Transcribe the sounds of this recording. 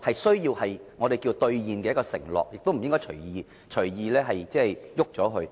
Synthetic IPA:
hɐ˨jsɵ˥ɥjiː˧whɐ˨jŋɔː˨˧t̪e˨jkiː˧wt̪ɵ˧ɥjiː˨nkɛː˧˥kɔː˧sɪ̰˨˩ŋlɔ̰ː˨k̚jɪ˨k̚t̪o˥wm̩˨˩jɪ˥ŋkɔː˥jt͡ʃʰɵ˨˩ɥjiː˨˧ | t͡ʃʰɵ˨˩ɥjiː˧lɛː˥ɦɐ˨jt͡sɛː˥ɛ˨jjʊ˥k̚t͡sɔː˨˥ɦɵ˧

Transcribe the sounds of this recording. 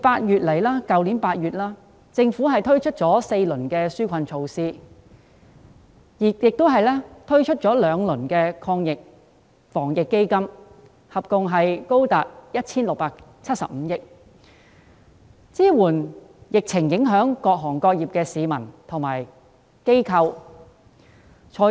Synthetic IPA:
paː˧t̚jyː˨t̚le˨˩jlaː˥kɐ˨wli˨˥npaː˧t̚jyː˨t̚laː˥ | t͡sɪ˧ŋfu˨˥ɦɐ˨jt̪ʰɵ˥ɥt͡ʃʰɵ˥t̚t͡ʃɔː˨˥se˧jlɵ˨˩nkɛː˧syː˥kʷʰɐ˧nt͡ʃʰo˧wsiː˥ | jiː˨˩jɪ˨k̚t̪o˥wɦɐ˨jlɛː˥t̪ʰɵ˥ɥt͡ʃʰɵ˥t̚t͡ʃɔː˨˥lœː˨˧ŋlɵ˨˩nkɛː˧kʰɔː˧ŋjɪ˨k̚ | fɔː˨˩ŋjɪ˨kːe˥jkɐ˥m | hɐ˨p̚kʊ˨˧ŋɦɐ˨jko˥wt̪aː˨t̚jɐ˥t̚t͡sʰiː˥nlʊ˨k̚paː˧k̚t͡sʰɐ˥t̚sɐ̰˨p̚m̩ː˨˧jɪ˥k̚ | t͡siː˥wuː˨˩n | jɪ˨k̚t͡sʰɪ˨˩ŋjɪ˨˥ŋɦœː˨˥ŋkɔː˧k̚ɦɔː˨˩ŋkɔː˧k̚jiː˨p̚kɛː˧siː˨˧mɐ˨˩nt̪ʰʊ˨˩ŋma̰ː˨˩j | ke˥jkʰɐ˧w | t͡ʃʰɔː˨˧

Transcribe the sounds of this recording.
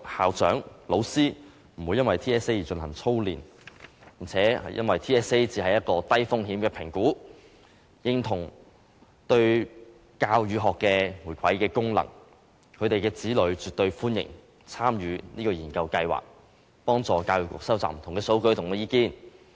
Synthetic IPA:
haː˨wt͡sœ̰ː˨˥ŋlo˨˧wsiː˥ | m̩˨˩wuː˨˧jːɐ˥nwɐ˨jt̪ʰiː˥ɛː˥se˥jt͡ʃɵ˧nhɐ˨˩ŋt͡sʰo˥wliː˨npji˨˩ŋt͡sʰɛː˨˥hɐ̰˨jʔɐ̰˥nwɐ˨jt̪ʰiː˥ɛː˥se˥jt͡siː˨˧hɐ˨jɐ˥t̚kɔː˧t̪ɐ˥jfʊ˥ŋɦiː˨˥mkɛː˧pʰɪ˨˩ŋkuː˨˥ | jɪ˧ŋt̪ʰʊ˨˩ŋ | t̪ɵ˧ɥ | kaː˧wjyː˨˧ɦɔː˨kːɛː˧wuː˨˩jkʰɐ˨˥jkɛː˧kʊ˥ŋlɐ̰˨˩ŋ | kʰɵ˨˧ɥt̪e˨jkɛː˧t͡siː˨˥lɵ˨˧˥ɥt͡syː˨t̚t̪ɵ˧ɥfuː˥njɪ̰˨˩ŋ | t͡sʰaː˥mjyː˨˧niː˥kɔː˧jiː˨˩nkɐ˧wkɐ˧jwa̰ː˨k̚ | pɔː˥ŋt͡sɔː˨kaː˧wjyː˨˩kwɔ̰ː˨k̚sɐ˥wt͡saː˨m̩˨˩t̪ʰŋkɛː˧so˨˥wkɵ˧˥ɥt̪ʰʊ˨˩ŋ˨˧jiː˧kiː˥n

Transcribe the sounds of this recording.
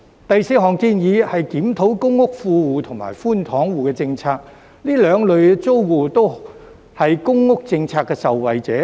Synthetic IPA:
t̪ɐ˨jse˨˥ɦɔː˨ŋkiː˧njiː˨˧hɐ˨jkiː˨˥mt̪ʰo˨˥wkʊ˥ŋːʊ˥k̚fuː˧wuː˨t̪ʰʊ˨˩ŋma̰ː˨˩jfuː˥nt̪ʰɔː˨˥ŋwuː˨kɛː˧t͡sɪ˧ŋt͡sʰaː˧k̚ | liː˥lœː˨˧ŋlɵ˨ɥt͡so˥wwuː˨t̪o˥w | hɐ˨jkʊ˥ŋːʊ˥k̚t͡sɪ˧ŋt͡sʰaː˧kːɛː˧sɐ˨wːɐ˨jt͡sɛ̰ː˨˥

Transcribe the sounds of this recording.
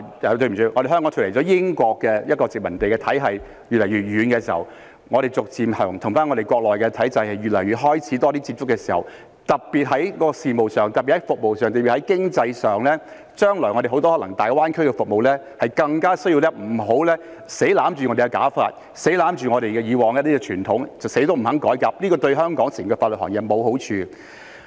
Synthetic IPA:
ɐ˨˧t̪̬ɵ˧ɥm˨˩y˧ŋɔː˨˧ɾe˨˩ɦœ˥ŋkɔː˨˥ŋtʰːtlt͡sɔː˨˧˥jɪ˥ŋkʷɔː˧kːɛː˧jɐ˥t̚kɔː˧t͡sɪ˨k̚mɐ˨˩nt̪e˨jkɛː˧t̪ʰɐ˨˥jɦɐ˨j | jyː˨lɐ˨˩jɥy˨t̚jɥyː˨˧nkɛː˧siː˨˩hɐ̰˨˩w | ŋɔː˨˧ɾe˨jt͡sʊ˨k̚t͡siː˨mɐː˨˩ŋt̪ʰʊ˨˩ŋfaː˥nŋɔ˧ɾe˨jkwɔː˧k̚lɔː˨˩jkɛː˧t̪ʰɐ˨˥jt͡sɐ˧jhɐ˨jɥy˨t̚lɐ˨˩jɥyː˨˩t̚ɦɔː˥jt͡sʰiː˨˥t̪ɔː˥t̪iː˥t͡si˧p̚t͡sʊ˥kːɛː˧siː˨˩hɐ̰˨˩w | t̪ɐ˨k̚piː˨t̚ɦɐ˨˥jkɔː˧siː˨˩mo˨wsœː˨ŋt̪ɐ˨pi˨˩hɐ˦˥jfʊ˨k̚mo˨wsœː˨ŋt̪ːpi˨˩hɐ˨˦jkɪ˥ŋt͡sɐ˧jsœː˨ŋlɛː˥ | t͡ʃœː˥ŋlɔː˨˩jŋɔ˨˧ɾe˨˩ɦo˨˥wt̪ɔ˥hɔː˨˥lɐ˨˩ŋt̪aː˨jwaː˥nkʰɵ˥ɥkɛ˧fʊ˨k̚mo˨wlɛː˥ | hɐ˨jkɐ˧ŋkaː˥sɵ˥ɥji˧wlɛː˥m̩˨˩ɦo˨˥wlɛː˥ | se˨˥jlaː˨˥mt͡ʃyː˨ŋɔ˨˧de˨jkɛ˧ka̰ː˨˥fa̰ː˧t̚ | se˨˥jlaː˨˥mt͡ʃyː˨ŋɔː˨˧ɾe˨jkɛ˧jiː˨˧wɔː˨ŋjɐ˥t̪iː˥kɛ˧t͡ʃʰyː˨˩nt̪ʰʊ˨˥ŋt͡sɐ˨wse˨˥jt̪o˥wm̩˨˩hɐ˨˥ŋkɔː˨˥jkaː˧p̚liː˥kɔː˧t̪ɵ˧ɥɦœː˥ŋkɔː˨˥ŋsi˨˩˨kɛ˧faː˧lə˨t̚hɔ̰ː˨˩ŋjɛ˨mo˨˧wɦo˨˥wt͡ʃʰyː˧

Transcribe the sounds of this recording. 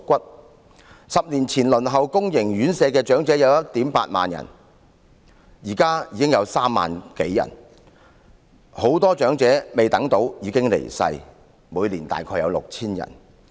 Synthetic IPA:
kʷɐ˥t̚ | sɐ˨p̚liː˨˩nt͡sʰiː˨˩nlɵ˨˩nɦɐ˨wkʊ˥ŋjɪ˨˩ŋjyː˨˥nsɛː˨˧kɛː˧t͡ʃœː˨˥ŋt͡sɛː˨˥jɐ˨˧wjɐ˥t̚t̪iː˨˥mpaː˧t̚ma̰ː˨njɐ̰˨˩n | jiː˨˩kaː˥jiː˨˧kɪ˥ŋjɐ˨˧wsaː˥mːa̰ː˨nke˨˥jːɐ̰˨˩n | ho˨˥wt̪ɔː˥t͡ʃœː˨˥ŋt͡sɛː˨˥me˨jt̪ɐ˨˥ŋt̪o˨˥wjiː˨˧kɪ˥ŋlḛ˨˩jsɐ̰˧j | muː˨˧jliː˨˩nt̪a̰ː˨jkʰɔː˧jɐ̰˨˧wlʊ˨k̚t͡sʰiː˥njɐ̰˨˩n

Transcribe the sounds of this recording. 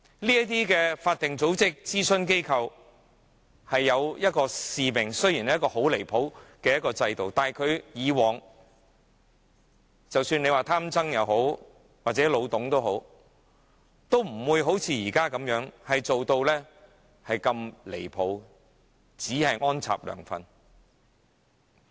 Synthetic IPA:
liː˥ɐ˥t̪̬iː˥kɛː˧faː˧t̚t̪ɪ˨ŋt͡so˨˥wt͡sɪ˥k̚t͡siː˥sɵ˥nk̬e˥jkʰɐ˧w | hɐ˨jːɐ˨˧wjɐ˥t̚kɔː˧siː˨mɪ˨˩ŋsɵ˥ɥji˨˩n˨˦jkɔː˧ho˨˥wle˨˩jpʰo˨˥wkɛː˧jɐ˥tkɔː˧t͡sɐ˧jt̪o˨wt̪aː˨kʰɵ˨˧ɥjiː˨˧wɔː˨˩ŋ | t͡sɐ˨wsyː˧nle˨˧jwaː˨˩t̪ʰaː˥mt͡sɐ˥ŋjɐ˨˧wɦo˨˥w | waː˨t̚t͡sɛː˨˥lo˨˧wt̪ʊ˨˥ŋt̪o˥wɦo˨˥w | t̪o˥wm̩˨˩wuː˨˧jɦo˨˥wt͡sʰiː˨˧jiː˨˩kaː˥kɐ˨˧˥mjœː˨˥ŋhɐ˨jt͡so˨wt̪o˧wlɛː˥ | hɐ˨jkɐ˧mle˨˩jpʰo˨˧˥w | t͡siː˨˥hɐ˨jŋɔː˥nt͡sʰa̰ː˨p̚lœ̰ː˨˩ŋfɐ̰˨n

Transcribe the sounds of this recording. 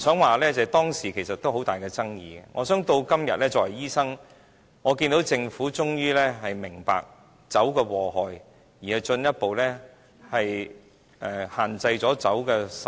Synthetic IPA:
sœː˨˥ŋwaː˨lɛ˥t͡sɛː˨t̪ɔː˥ŋsiː˨˩kʰe˨˩jsɐ˨t̪o˥who˨˥wt̪aː˨jkɛː˧t͡sɐ˥ŋjiː˧ɡɛ˧ŋʔɔː˨˧sœː˨˥ŋt̪o˧wkɐ˥mjɐ˨t̚lɛː˥t͡sɔː˨˩ɐ˨˩jiː˥sɐ˥ŋ | ŋɔː˨˧kiː˧nt̪o˨˥wt͡sɪ˧ŋfuː˨˥t͡sʊ˥ŋjyː˥lɛː˥ɦɐ˨jmɪ˨˩ŋpa̰ː˨k̚ | t͡sɐ˨˥wkɛː˧wɔː˨ɦɔː˨˩j | jiː˨˩hɐ˨jt͡ʃɵ˧njɐ˥t̚po˨wlɛː˥ | hɐ˨j | ʔɛ˧haː˨nt͡sɐ˧jt͡sɔː˨˥t͡sɐ˨˥wkɛː˧s

